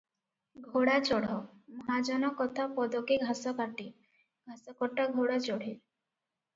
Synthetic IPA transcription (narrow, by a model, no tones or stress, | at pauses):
ɡʱoɽat͡ʃɔɽ̤ɔmɔɦad͡ʒɔnɔkɔt̪ʰapɔd̪ɔkeɡʱasɔkaʈi | ɡʱasɔkɔʈaɡʱoɽat͡ʃɔɽ̤i